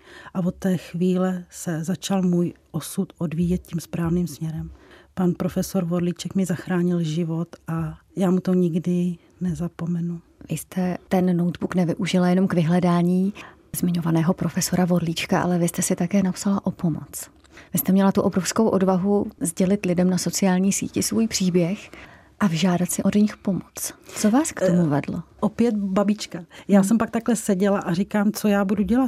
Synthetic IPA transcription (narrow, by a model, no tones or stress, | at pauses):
ʔavot̪ːɛːxviːlɛsɛzat͡ʃalmuːjʔosut̪ʔodviːjɛt̪̚ciːmspɾaːvniːmsmɲɛɾɛmpanpɾofɛso̞ɾvodlit͡ʃɛkmɪzaxɾaːɲɪlʒɪvo̞t̪ʔajaːmut̪oɲɪɡdɪ | nɛzapomɛnuvɪst̪ɛt̪ɛnːo̞wt̪buknɛvɪʔuʒɪlajɛno̞mkvɪɦlɛdaːɲiː | zmɪɲo̞vanɛːɦo̞pɾo̞fɛso̞ɾavo̞dliːt͡ʃkaʔa̰lɛvɪst̪ɛsɪt̪akɛːnapsalaʔo̞po̞mo̰t͡s | vɪst̪ɛmɲɛlat̪uʔo̞bɾo̞fskowʔo̞dvaɦuzɟɛlɪt̪lɪdɛmnaso̞t͡sɪaːlɲiːsḭːcɪsvujpr̝̥iːbjɛx | ʔavʒaːdat̪sɪʔo̞dɲɪxpo̞mot͡st͡sovaːskt̪omuvɛdloʔopjɛt̪babit͡ʃkajaːsɛmpak̚t̪aklɛsɛɟɛlaʔaɾikaːmt͡sojaːbuduɟɛlat̪